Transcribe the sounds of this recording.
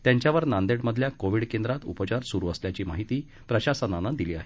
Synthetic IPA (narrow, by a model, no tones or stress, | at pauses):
t̪jaɲt͡ɕjaʋəɾnand̪eɽməd̪ʱljakoʋiɽkend̪ɾat̪upət͡ɕaɾsuɾuːəsljat͡ɕiːmaɦit̪iː | pɾəɕasananad̪iliːa̰ɦe